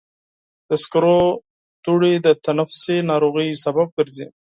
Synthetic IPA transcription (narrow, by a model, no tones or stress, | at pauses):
d̪̥əskɾo | t̪uɽid̪ət̪anafsenɑɾoɣəjsabab̚ɡəɾzi